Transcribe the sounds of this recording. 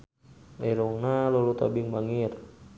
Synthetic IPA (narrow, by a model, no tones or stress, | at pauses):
ɛɾɔŋnalɔlut̪abiŋbaŋir